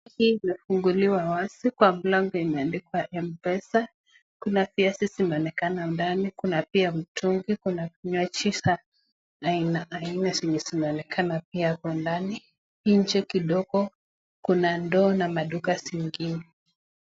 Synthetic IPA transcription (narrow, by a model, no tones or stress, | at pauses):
hiːmɛfuŋɡuliwawasikwam̩laŋɡɔimɛandikwaʔɛm̩pɛsa | kunafiasisinaɔnɛkanaundanikunapiam̩tʰuŋɡikunakɲwat͡ʃisaː | inaʔainasiɲisinaɔnɛkʰanap̚iakɔndani | iɲ̩d͡ʒɛkiɗɔɡɔ | kunandɔːnamaɗukasiŋɡinɛ